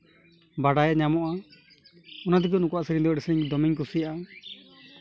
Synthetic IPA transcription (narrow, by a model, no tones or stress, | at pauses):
baɽajɛʔɲamɔʔa | ɔnad̪ik̬unukuaʔsiɾiɲd̪ɛɔɖɛsɾiɲd̪ɔmiɲkusijaʔa